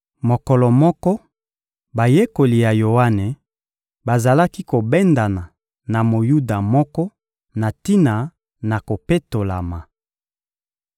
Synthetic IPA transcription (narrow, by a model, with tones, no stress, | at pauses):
mo˨kɔ˨lɔ˨mɔ˦kɔ˦ | ba˨je˦ko˨li˨ja˨jo˨wa˦ne˨ | ba˨za˨la˦ki˦ko˨bɛ˦nda˨na˨ | na˨mo˨ju˦da˨mɔ˦kɔ˦ | na˨ti˦na˨ | na˨ko˨pe˦to˨la̰˨ma˨